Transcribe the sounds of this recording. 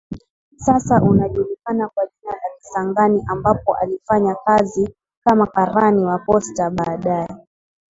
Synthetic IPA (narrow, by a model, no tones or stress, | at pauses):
sasaʔunaʄulikanakwaʄinalaki̥saŋɡaniʔambapɔʔa̰lifaɲakazi | kamakaɾaniwapɔstaɓaːɗajɛ